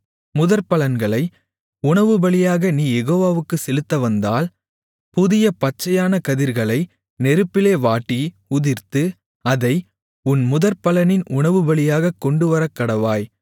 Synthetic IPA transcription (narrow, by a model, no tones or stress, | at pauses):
mʊðɐɾpɐlɐnɡɐɭɐɪ | ʊɳɐʋɯbɐɭɪjaːɣɐniːjɛɣoːʋaːʋɯkːɯsɛlɯt̪ːɐʋɐnd̪aːl | pʊðɪjɐpɐt͡ʃːɐjaːnɐkɐðɪɾɣɐɭɐɪ | nɛɾɯpːɪleːʋaːʈːi | ʊðɪɾt̪ɯ | ɐðɐɪ | ʊnmʊðɐɾpɐlɐnɪnʊɳɐʋɯbɐɭɪjaːɣɐkːɔɳɖɯʋɐɾɐkːɐɽɐʋaːj